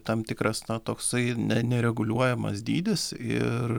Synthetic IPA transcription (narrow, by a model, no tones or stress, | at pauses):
t̪ɐmt̪ʲɪkɾɐsnɐt̪oːksɐɪnʲɛnʲɛɾʲɛɡʊlʲuɔjɛmɐ̰sd̪ʲiːd̪ʲɪsɪ̰r